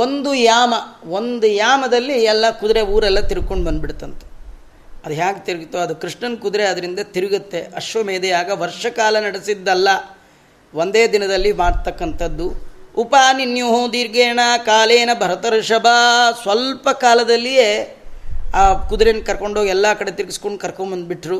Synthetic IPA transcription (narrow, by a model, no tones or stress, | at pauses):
o̞nd̪ujaːmɐo̞nd̪ujaːmɐd̪ɐlːiɛlːɐkud̪ɾeuːɾɛlːɐt̪iɾɡ̚ko̞ɳɖbɐnd̪biɽt̪ɐnt̪e̥ | ɐd̪uɦaːkt̪iɾiɡut̪ːoɐd̪ukɾiʂɳɐnkud̪ɾeɐd̪ɐɾind̪ɐt̪iɾiɡut̪ːe̞ɐʃʋɐmeːd̪ɛjaːɡɐʋɐɾʂɐkaːlɐnɐɽisid̪ːɐlːɐ | ʋond̪eːd̪inɐd̪ɐlːimaːɽt̪ɐkːɐnt̪ʰɐd̪ːuupaːninjuɦoːd̪iːɾɡeːnɐkaːleːnɐbʱɐɾɐt̪ɐɾɐʃɐbʱasʋɐlpɐkaːlɐd̪ɐlːijeː | aːkud̪ɾenkɐɾko̞ɳɖoɡiɛlːɐkɐɽe̞t̪iɾɡiskoɳɖkɐɾkoɳbɐnd̪̚biʈɾu